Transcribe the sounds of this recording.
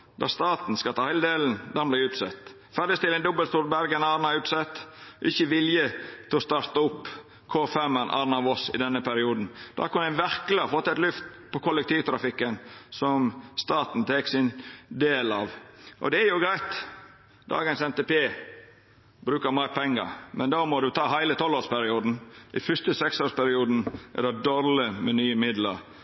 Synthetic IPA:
d̪ɑ̰st̪ɑːt̪n̩skɑlt̪ʰɑːhæɪləd̪eːln̩d̪ɑnblɪʉːt̪sɛt̪ː | fæɾɖɪst̪ɪlːɛnd̪ɔbəlst̪uːɾbæɾɡənɑːɾnɑʉːt̪sɛt̪ːʔɪçːəʋɪljət̪ʰɛɔst̪ɑːɾt̪ɑʊpː | kʰoːfɛmːənʔɑ̰ːnɑʋɔsɪ̰d̪ɛnːəpʰæɾɪuːd̪n̩d̪̥ɑ̰ːkʊnːæɪnʋæɾkləɑfɔt̪ːɛt̪lʉft̪ | pʰɔkʰɔlːɛk̚t̪iːʋt̪ʰɾɑfɪkːənsɔmst̪ɑːt̪n̩t̪ʰeːksɪnd̪eːlɑʋʔɔ̰d̪ɛæɾjʊɡɾæɪt̪ | d̪ɑ̰ːɡənsɛmt̪eːpeː | bɾʉːkəɾmæɪpʰɛŋːə̰ɾmɛnd̪ɑːmɔd̪ʉt̪ʰɑːɦæɪlət̪ʰɔlːoːspæɾɪuːd̪n̩ʔɪfʏst̪əsɛksoːspæɾɪuːd̪n̩ɛ̰d̪ɑd̪ɔɾləmɛnyːəmɪd̪lə̰ɾ

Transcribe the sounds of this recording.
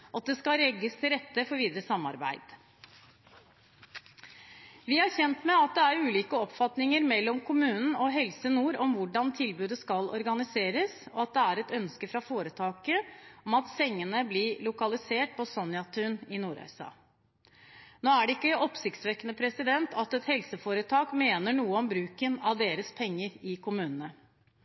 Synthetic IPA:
ʔɑt̪̚d̪ɛskɑɾɛɡːəst̪ʰɪlɾɛt̪ːəfɔɾʋiːd̪əɾəsɑmːɑ̰ɾbæ̰ɪd̪̥ | ʋɪhɑɾçɛnt̪mɛɑt̪̚d̪ɛæɾʉːliːkəɔpfɑt̪nɪŋəɾmɛlːɔmkʰʊmʉːnn̩ɔɦɛlsənuːɾɔmʋʊɖɑnt̪ʰɪlbʉːd̪əskɑlɔ̰ɾɡɑnɪseːɾəsɔɑt̪̚d̪ɛæɾɛt̪œnskəfɾɑfoːɾət̪ʰɑːkəɔmɑt̪sɛŋːənəblɪlʊkɑlɪseːʈ̚pʰɔsɔnjɑt̪ʰʉnɪnuːɾœ̰ʏsɑ̰ː | noːæɖɛɪkːəʔɔpsɪkt̪sʋɛkənəpʰɾɛsɪd̪ɛnt̪ʰɑt̪ɛt̪hɛlsəfoːɾət̪ʰɑːkmeːnəɳuːəɔmbɾʉːkənɑʋd̪eːɾəspʰɛŋːəɾɪkʰʊmʉːnənə

